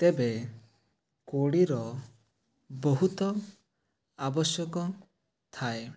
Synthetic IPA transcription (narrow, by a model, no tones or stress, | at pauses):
t̪ebe | koɽiɾɔ | bɔɦut̪ɔ | abɔsjɔkɔ | t̪ʰae